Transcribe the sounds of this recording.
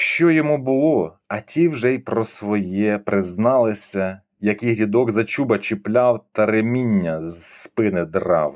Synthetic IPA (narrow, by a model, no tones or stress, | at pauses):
ʃt͡ʃɔjɔmubʊlˠɔ | ɐtʲiwʒɛjpɾɔsʋɔjɛpɾɪznɑlˠɪsʲɐ | jɐkɪjɦlʲid̪ɔɡzɐt͡ʃubɐt͡ʃɪplʲɑwt̪ɐɾemʲinʲːɐzspɪnɪd̪rɑw